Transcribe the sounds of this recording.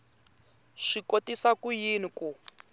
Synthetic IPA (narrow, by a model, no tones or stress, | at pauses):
ʂikotisakujiniku